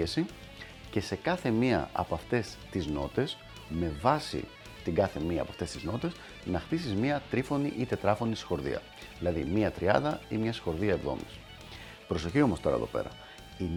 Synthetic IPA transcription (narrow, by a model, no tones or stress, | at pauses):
esi | ce̞se̞kɐθe̞miɐ̰ɐ̰poɐft̪e̞st̪izno̞̰t̪e̞s | me̞vɐsḭ | t̪iɡɐθe̞miɐ̰ːpɐft̪e̞st̪izno̞t̪e̞s | nɐxt̪isizmiɐt̪ɾifo̞niʔit̪e̞t̪ɾɐfo̞nisi̥xo̞ɾðḭɐ̰ | ðilɐðimiɐt̪ɾiɐ̰nd̪ɐimɲɐsi̥xo̞ɾðiɐevðo̞̰mis | pɾo̞so̞çio̞mo̞st̪o̞ɾɐ̰ḛðo̞̰pe̞̰ɾɐ̰ | in